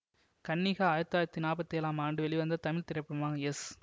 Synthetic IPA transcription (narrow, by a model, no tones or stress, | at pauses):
kɐnːiɣaːaːjɐt̪ːaːjɾɐt̪ːinaːpɐt̪ːjɛːlaːmaːɳɖɯʋɛɭiʋɐnd̪ɐt̪ɐmɪɭt̪ɪɾɐpːɪɽɯmʋaːŋɐɛs